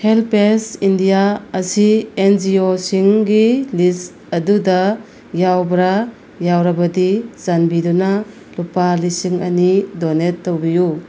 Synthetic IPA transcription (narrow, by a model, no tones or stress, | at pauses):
helpesindijaɐsiend͡ʒiosiŋɡilis | ɐdudɐ | jawbɾa | jawɾɐbɐdizanbidunɐ | lupalisiŋɐ̰nidonetːowbiju